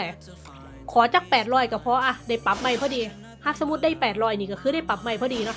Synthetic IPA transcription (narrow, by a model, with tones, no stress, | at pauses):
ɛː˧˨˩ | kʰɔː˨˩˦t͡ɕa˨˩k̚pɛː˨˩t̪̚ɾɔː˧˩jkaː˧˩pʰɔ˧˥ʔa˧˩da˧˩jpa˨˩p̚ma˧˩jpʰɔː˧˩diː˧ | pʰaː˧˩p̚sa˧˦mu˦˥t̪̚daː˥˩jpɛː˨˩t̪̚ɾɔː˧˥˩jniː˧˩ka˧˩kʰɯː˧ɾa˥˩jpa˨˩p̚ma˧jpʰɔː˧˩diː˧nɔ˦˥˦